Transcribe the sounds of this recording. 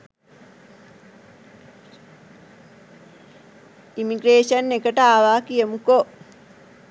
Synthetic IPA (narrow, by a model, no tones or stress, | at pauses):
imiɡɾeːʃɐnːekəʈəaːʋaːkijəmuko